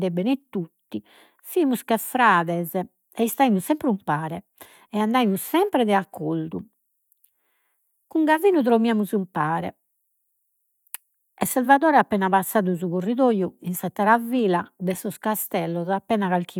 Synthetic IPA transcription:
d̪ɛbɛnɛt̪ːut̪ːi | fimuskɛfɾaːðɛzɛ | ɛist̪aimusɛmpɾumpaːɾɛ | ɛand̪aimussɛmpɾɛðɛakʰːold̪u | kuŋɡaviːnut̪̬ɾomiaːmuzumpaːɾɛ̰ | ɛsːalvaðɔːɾɛapːɛːnaβasːaːðuzuɣorːiðoːjuinsɛt̪ːaɾaviːlad̪ɛsɔskast̪ɛlːɔzapːɛːnaɣalk̟ʰi

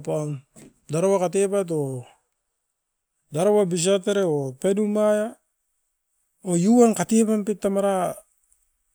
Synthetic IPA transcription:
pan | daɾowakatepat̬o | daɾowabis̬ateɾeopenumaja | ojuankatepampitːamaɾa

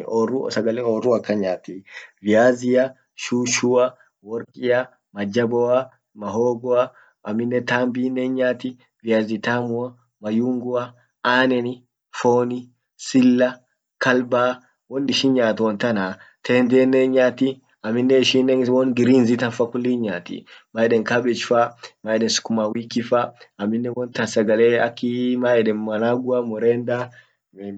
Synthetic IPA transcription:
ɔrusɐɡɐlɛɔrːuɐkːɐɲaːt̪ːivɪjaːzɪjɐ | ʃuːʃuɐ | wɔɾkʼɪjɐ | mɐd͡ʒɐbɔɐ | mɐɦoːɡɔɐ | ɐmːɪnːɛt̪aːmbiːnːeɲɲaːt̪ɪ | vɪjaːzɪt̪aːmʊɐ | mɐjuːŋɡʊɐ | aːnɛnɪ | foːnɪ | sɪlːɐ | kʰɐlbaː | wɔnɪʃɪnɲaːt̪ɔnt̪ɐnaːt̪ʰeːnd̪eːnːɛɲaːt̪i | ɐmːɪnːɛɪʃinːɛnwɔnɡɪɾiːnzɪt̪ɐnfakʊlːiːɲɲaːt̪ḭmaːɛɗɛŋkabɛt͡ʃfamaːɛɗɛnsʊ̥kʊmaːwiːkːɪfaɐmːɪnːɛwɔnt̪ɐnsɐɡɐleːɐ̰kːimaːɛɗɛnmɐnaːɡʊɐmɔɾɛːnd̪a

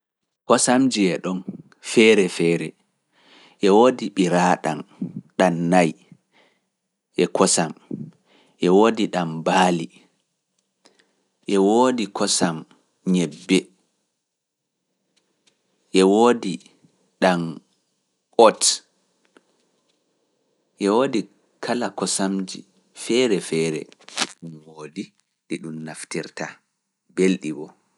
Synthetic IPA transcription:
kɔsamd͡ʒiɛɗɔn | fɛɾɛfɛːɾɛ | ʔɛwoːdiɓiɾaɗanɗanːaj | ʔɛkʰɔsam | ʔɛwoːdiɗambaːli | ʔɛwoːdikʰɔsam | ɲɛbːɛ | ʔɛwoːdi | ɗam | ʔɔt | ʔɛwoːdi | kʰalakɔsamd͡ʒḭ | fɛɾɛfɛːɾɛ̰diɗumwoːdi | ɗiɗumnaftiɾta | belɗibɔ

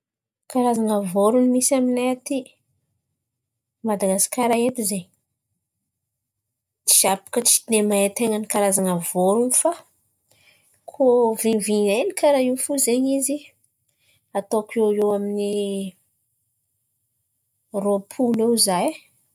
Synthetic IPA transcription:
kaɾazaŋəvoɾunimisaminaat̪i | mad̪aɡaskaɾaet̪izeɲi | t͡ʃi̥ʃapḁkət͡ʃi̥d̪emaet̪eŋənikaɾazanəvoɾunifa | kʰoviviɲenikaɾaiwfuzeɲizi | at̪okeewamini | roapʰulewizaj

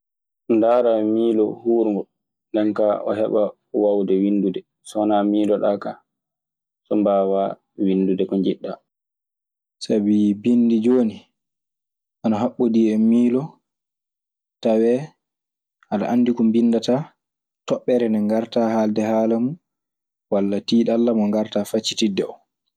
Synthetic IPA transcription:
ndaːɾamiːlɔhuːɾŋɡɔ | ndɛnkaʔɔ̰ɦɛɓa | wawdɛwindudɛ | sɔnamiːlɔɗaːka | sɔmbaːwa | winːdudɛkɔɲd͡ʒiɗːa | sabibinːdid͡ʒoːni | ʔanaɦaɓːodiːɛmiːlɔ | tawɛ | ʔana̰ʔanːdikumbinːdata | tɔɓːɛɾɛnɛŋɡaɾtahaldɛhaːlamu | walːatiːɗalːamɔŋɡaɾtafat͡ʃːi̥tidɛ̰ɔ

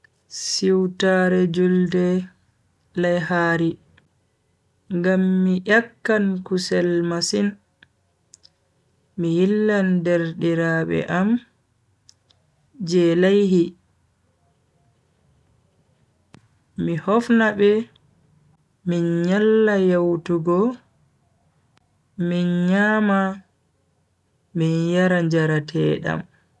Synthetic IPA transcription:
siwtaɾɛd͡ʒuldɛ | lajhaːɾi | ŋɡamːiʔakːankusɛlmasin | mijilːandɛɾdiɾaɓɛ̰ʔam | d͡ʒɛlajɦi | mihɔfnabɛ | minɲalːajawtuɡɔ | minɲaːma | minjaɾaɲd͡ʒaɾatʰɛːɗa̰m

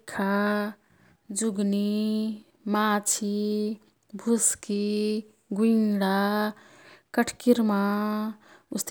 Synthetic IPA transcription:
kʰa | d͡ʒuɡni | mat͡ʃʰi | bʱuski | ɡunɽa | kəʈʰkiɾma | ʊst̪

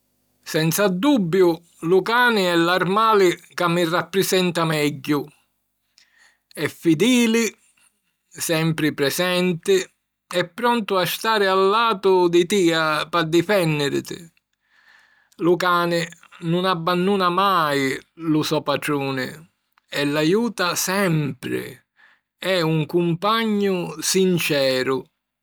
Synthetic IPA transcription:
sɛnt̪sad̪ːubːjʊ | lukaːnɪɛlarmaːlɪkamːirːapːɾɪsɛnt̪amɛɟːʊ | ɛfːid̪iːlɪ | sɛmpɾɪpɾɛsɛnt̪ɪ | ɛpːɾɔnt̪ʊast̪aːɾɪalːaːt̪ʊd̪ɪt̪iːapad̪ːifɛnːɪɾɪ̰t̪ɪ̰ | lukaːnɪnunabːanːuːnamajlusɔpaʈ̪ɾuːnɪ̰ | ɛlːajuːt̪asɛmpɾɪ̰ | ɛuŋkumpaɲːʊsint͡ʃɛːɾʊ

